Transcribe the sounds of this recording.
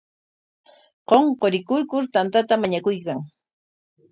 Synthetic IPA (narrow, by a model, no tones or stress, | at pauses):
qoɴqoɾɪkʊɾkʊɾt̪ant̪at̪amaɲakʊjkaŋ